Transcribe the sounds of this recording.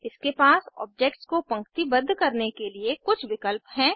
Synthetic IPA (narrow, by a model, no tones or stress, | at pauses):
ɪskepaːsɔ̰ːb̚d͡ʒeːk̚ʈskopɐ̃ŋkt̪ibɐd̪ʱːkɐɾnekeliekʊt͡ʃʰʋɪkəlpɦɛ̃ː